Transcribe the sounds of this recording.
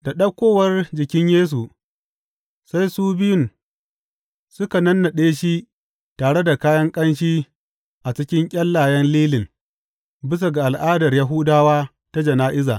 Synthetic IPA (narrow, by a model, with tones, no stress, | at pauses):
da˨ɗɐ˦kʷoː˦wɐ˦rd͡ʒɪ˨kʲɪ˦ɲjeː˦s̬u˨ | sa˦jsuː˦bɪ˦jʊ˨n | sʊ˦ka˨nɐ˦nːa˨ɗeː˦ʃi˦ | taː˨ɽe˦da˨kaː˦jɐ˦ŋkʼɐ˦nʃ̬iː˦ | ʔa˨t͡ʃɪ˦kʲɪ˦ŋkʲʼɐ˦lːaː˨jɛ˦nliː˦lɪ˨ŋ | bɪ˦s̬a˨ɡa˨ʔa˨lʔaː˦dɐ˨rjɐ˦ɦʊ˦daː˦waː˦ | ta˦d͡ʒɐ˨naː˦ʔɪ˦za̰ː˨